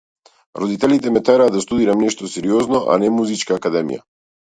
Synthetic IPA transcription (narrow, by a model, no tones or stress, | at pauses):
ɾɔd̪it̪ɛlit̪ɛmɛt̪ɛɾaːd̪ast̪ud̪iɾamnɛʃt̪ɔsɛɾiɔznɔʔa̰nɛmuzit͡ʃkaːkad̪ɛmḭja̰